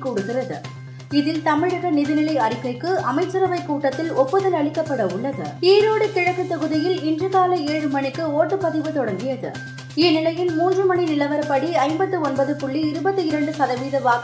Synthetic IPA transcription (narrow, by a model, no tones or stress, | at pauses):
kuːɽɯɣɪrɐðɯ̰ | ɪðɪlt̪ɐmɪɻɐɣɐnɪðɯnɪlɐɪɐrɪkːɐɪkːɯʔɐmɐɪt͡ʃːɐɾɐʋɐɪkːuːʈːɐt̪ːɪlɔpːɯðɐlɐɭɪkːɐpːɐɽɐʊɭːɐðɯ̰iːɾoːɽɯt̪ɪɻɐɣɯt̪ɐɣɯðɪjɪlɪndrɯɣaːlɐeːɻɯmɐnɪkːɯoːʈːɯpɐðɪʋɯt̪ɔɽɐŋɡɪjɐðɯ̰ | ɪnɪlɐjɪlmuːndrɯmɐninɪlɐʋɐɾɐpɐɽiɐɪmbɐt̪ːɯɔnbɐðɯpʊɭːiɪɾɯbɐt̪ːɯɪɾɐɳɖɯsɐðɐʋiːðɐʋaː